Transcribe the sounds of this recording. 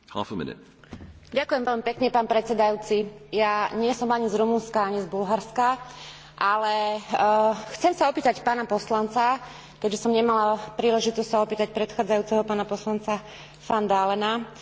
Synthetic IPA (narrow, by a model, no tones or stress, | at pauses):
ha̰fəmɪ̰nɪ̰t̚ | ɟakujɛmʋɛʎmipɛkɲɛpaːnpɾɛt͡sɛd̪ajuːt͡sijaɲɪɛsɔmaɲizɾumunskaaɲizbulɦaɾska | ʔalɛ | xt͡sɛmsaɔpiːt̪acpaːnapɔslant͡sa | kɛd͡ʒʒɛsɔmɲɛmalapɾiːlɛʒit̪ɔstsaɔpiːt̪ac̚pɾɛt̪xaːd͡zajuːt͡sɛɦɔpaːnapɔslant͡sa | fand̪aːlɛna